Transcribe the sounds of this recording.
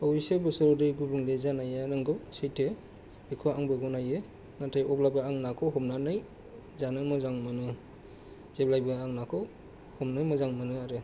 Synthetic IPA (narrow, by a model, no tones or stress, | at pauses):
pɔwisebɯsɯɾɔdɯjɡubɯŋlezanajanɯŋɡɯwsejtʰe | bekʰuaŋbɯɡɔnaje | natʰajɔp̚labɯaŋnakʰɔɦɔmnanɯj | zanɯmɔzaŋmɯnɯ | zeb̚lajbɯaŋnakʰɔw | hɔmnɯjmɯzaŋmɯnɯaɾɯ